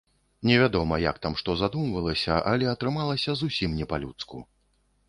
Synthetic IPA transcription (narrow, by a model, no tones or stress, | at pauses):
nʲɛvʲad̪ɔmɐja̰kt̪amʂt̪ɔzad̪umvɐlˠɐsʲɐʔalʲɛɐt̪ɾɨmalˠɐsʲɐzusʲimnʲɛpalʲut̪skṵ